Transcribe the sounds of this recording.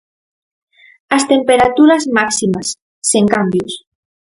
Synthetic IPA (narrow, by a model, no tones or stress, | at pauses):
ast̪empeɾat̪uɾazmaksimasː | eŋkambjus